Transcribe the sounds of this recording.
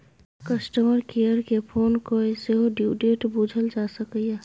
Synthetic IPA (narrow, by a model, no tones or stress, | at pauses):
kəsʈəməɾkejəɾkepʰoːnkoeseɦoɖiɖeːʈbud͡ʒʱəld͡ʒasəkəje